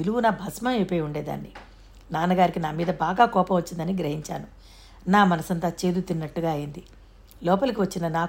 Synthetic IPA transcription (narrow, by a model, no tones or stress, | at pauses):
iluɡunɐbʱɐsmɐepeːjuɳɖeːd̪a̰ːnːi | naːnɐɡaːɾikinaːmiːd̪ɐbaːɡaːkɔːpɐmʋɐt͡ʃːind̪ɐniɡɾɐɦiɲt͡ʃa̰ːnu | naːmɐnɐsɐnt̪ɐt͡ʃe̞ːd̪ut̪inːɐʈːuɡaːɐjind̪i | lɔːpɐlɐk̬iʋɐt͡ʃːinɐnaː